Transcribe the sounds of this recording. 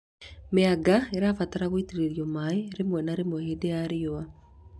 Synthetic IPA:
meaɡaeɾafataɾaɣoiteɾeɾiɔmaeɾemwɛnaɾemwɛheːdejaɾeoa

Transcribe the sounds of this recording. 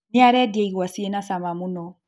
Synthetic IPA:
neaɾɛdieiɣwasienasamamunɔ

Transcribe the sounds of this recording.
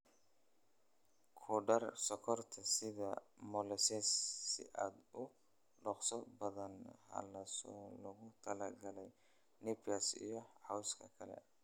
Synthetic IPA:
kʰɔɖɐrsɔkʰɔrt̪ʰɐsɪðɐmɔlɛsɛsːɪ̰ʔaːd̪ʊ | ɖɔχsɔbɐðɐnhɐ̰lɐsɔːlɐɣʊt̪ʰɐlɐɡɐlɛj | nɛpasḭjɔħawskʰɐkʰɐlɛ̰

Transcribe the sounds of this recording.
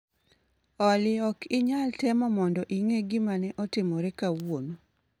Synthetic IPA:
ɔlɪɔkɪɲaltɛmɔmɔndɔʔiŋeɡimanɛʔɔtɪmɔɾɛkawono

